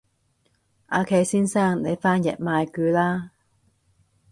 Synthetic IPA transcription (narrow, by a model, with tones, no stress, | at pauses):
ʔaː˨˧kʰe˨˧jsiː˥nsaː˥˩ŋne˨˧jfaː˥njɛ̰˨t̚maː˨˧jkyː˨˧˥laː˥